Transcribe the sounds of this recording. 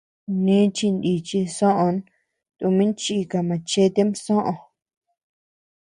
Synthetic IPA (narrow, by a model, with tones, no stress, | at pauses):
nĩ˦t͡ʃi˧nd̪i˧t͡ʃi˧sõ˦ʔõ˧n | t̪u˧mĩ˦nt͡ʃi˦˧ka˧mã˨˧t͡ʃe˧˦t̪e˦msõ˦ʔõ˧